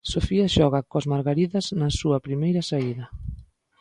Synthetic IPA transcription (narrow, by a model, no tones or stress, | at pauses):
sofiɐʃɔɣakozmaɾɣaɾiðɐznɐsuɐpɾimejɾɐsaiðɐ